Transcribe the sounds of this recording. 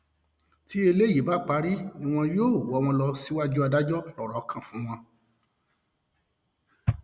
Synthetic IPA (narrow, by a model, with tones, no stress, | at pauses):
ti˦e˧le˦˨ji˨˦ba˨˦k͡pa˨˦ɾi˦nĩ˧w̃ɔ̃˧joː˦˨wɔ˨˦˧w̃ɔ̃˧lɔ˧si˦wa˦d͡ʒu˦a˧da˦d͡ʒɔ˦lɔ˨ɾɔ˨˦kʰã˦˨fũ˨˦w̃ɔ̃˧